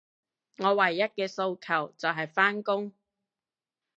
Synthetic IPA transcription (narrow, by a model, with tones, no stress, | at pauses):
ŋɔː˨˧wɐ˨˩jːɐ˥t̚kɛː˧so˧wkʰɐ˨˩wt͡sɐ˨wɦɐ˨jfaː˥nkʊ˥ŋ